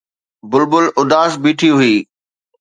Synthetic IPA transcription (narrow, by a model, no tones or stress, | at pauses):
bʊlbʊlʊd̪aːsbiːʈʰiɦʊiː